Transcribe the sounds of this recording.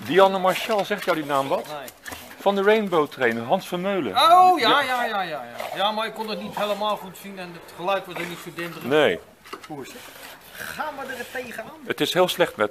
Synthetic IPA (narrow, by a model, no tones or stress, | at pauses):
diɑnəmaɹʃalˠzɛχtjɔwdinaːmʋɑt | fɑndərejnbowtrejnərɦɑnsfənmøɥlə̰ojjajajaːjajaːmaɹɪkːondətnitɦeləmaːlˠχutsinɛnətχəlœɥjkʋɔsdənitfədɪntənej | huɪst | χaːmədərəteːɣənaːətɪsɦɪːlˠslɛχtmɛt